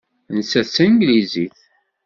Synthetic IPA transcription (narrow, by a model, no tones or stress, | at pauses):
nsæsːænɡliziθ